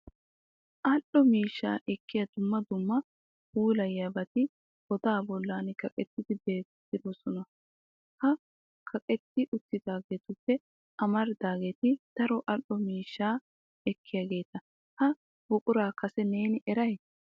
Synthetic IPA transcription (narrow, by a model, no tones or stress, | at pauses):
ʔɐlɔmiːʃːa̰ːʔɛkːɪjɐd̪ʊmːɐd̪ʊmːɐ | uːlɐjːɐbɐt̪ɪ | ɡ̥ɔd̪aːbɔlːaːnɪkɐkʼɛt̪ːɪd̪ɪbe̞ːt̪ː | ɪd̪ɔsɔnɐ | hɐ | kʰɐkʼɛt̪ːɪʔʊt̪ːɪd̪aːɡe̞ːt̪ʊpːɛ | ʔɐmɐɾd̪aːɡe̞ːt̪ɪd̪̥ɐɾɔʔɐlːɔmiːʃːaː | ɛkːɪjaːɡe̞ːt̪ɐ | hɐ | b̥ʊkʼʊɾaːkɐsɛne̞ːnɪʔɛɾɐj